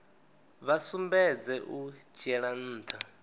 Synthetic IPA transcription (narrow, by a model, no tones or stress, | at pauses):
βasumbɛd͡zɛʔud͡ʒɛɺan̩ːt̪ʰa